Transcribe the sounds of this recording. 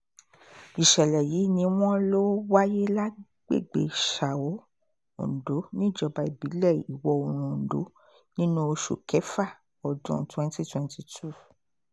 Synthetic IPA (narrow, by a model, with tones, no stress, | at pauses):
i˨ʃɛ˨lɛ˨ji˨˦nĩ˧w̃ɔ̃˦lo˦wa˦je˦la˦ | ɡ͡bḛ˦˨ɡ͡bḛ˨ʃa˨o˨˦ | õ̰˨do˨˦nĩ˦˨d͡ʒɔ˧ba˨˦i˦˨bi˨˦lɛ˦˨i˨wɔ˧o˧˨ɾ̃ũ˨do̰˨˦ | nĩ˦nũ˦o˧ʃo̰˨kʰɛ˨˦fa˦˨ | ɔ˨dṵ̃˨˦twɛ̃˦n˦ti˦twɛ̃˨nti˧tʰu˦˨